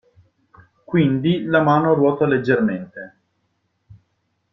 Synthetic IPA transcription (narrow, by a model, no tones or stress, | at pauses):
kwind̪ilamaːnoɾwɔːt̪aled͡ʒːerment̪e